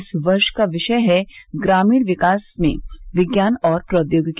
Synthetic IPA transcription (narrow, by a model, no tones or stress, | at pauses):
sʋɐɾʃkaʋɪʃəjɦɛɡɾaːmiːɽʋɪkaːsmḛ̃ʋɪɡjaːnɔːɾpɾəd̪joːɡk